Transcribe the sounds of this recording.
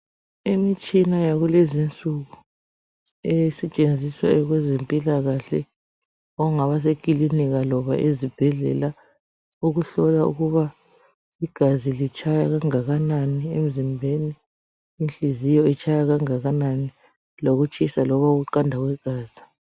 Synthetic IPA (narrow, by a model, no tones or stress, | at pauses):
imit͡ʃʼinajaɣulezint͡sʼuɣu | ejisɛt͡ʃʼend͡zʱiswa̰ɛɣwɛzempʼilaɣaɬɛ̰ | ɔŋaβas̬ekʼiliniɣalɔβa̰ʔezib̥ʱɛɮɛ̰la | uɣuɬɔlaṵɣuβa | iɡ̥ʱazilit͡ʃʼajaɣaŋaɣananiem̩zimbʱeniː | nt͡ɬʼizijɔit͡ʃʰʼajaɣaŋaɣanani | loɣut͡ʃʼisalɔβauɣuǃandʱaɣwɛɡ̥ʱaːz̥i̥